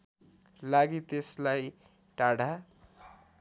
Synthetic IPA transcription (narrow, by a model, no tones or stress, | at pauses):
laɡit̪eslaj | ʈaɽa